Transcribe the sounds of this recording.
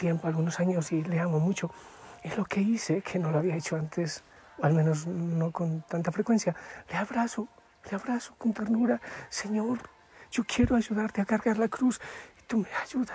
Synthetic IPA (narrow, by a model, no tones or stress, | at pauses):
t̪jempoalɣunosaɲo̞sile̞amomut͡ʃo̞ | ezlo̞ke̞isekʰe̞no̞loaβiaet͡ʃo̞ant̪ʰes | oalmeno̞sno̞ko̞nt̪ant̪afɾekwe̞nsjaleaβɾaso̞ | leaβɾaso̞kont̪eɾnuɾase̞ɲo̞ɾ | ʝo̞kje̞ɾoaʝuðaɾt̪eakaɾɣaɾlakɾusi̥t̪umeaʒuða